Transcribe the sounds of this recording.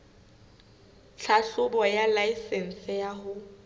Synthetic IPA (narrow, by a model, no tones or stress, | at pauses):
ɬʰaɬʊbɔjalaisɛn̩sɪjaɦʊ